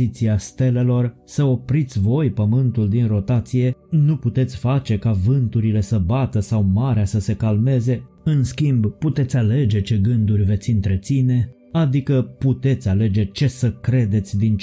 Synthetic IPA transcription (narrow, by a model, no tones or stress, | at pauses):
it̪siast̪e̞le̞lo̞r | səo̞pɾit̪sʲvo̞jpəmɨnt̪uld̪inro̞t̪at̪sije̞nuput̪e̞t̪sʲfat͡ʃe̞kavɨnt̪uɾile̞səbat̪əsawmaɾeasəse̞kalme̞ze̞ | ɨnskʲimbput̪e̞t̪sʲale̞d͡ʒe̞t͡ʃe̞ɡɨnd̪urʲve̞t̪sʲɨnt̪ɾe̞t̪sine̞ | ad̪ikəput̪e̞t̪sʲale̞d͡ʒe̞t͡ʃe̞səkɾe̞d̪e̞t̪sʲd̪int͡ʃ